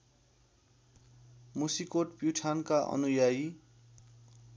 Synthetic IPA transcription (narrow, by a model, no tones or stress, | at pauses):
musikoʈpjuʈʰankaʔʌ̰nujaj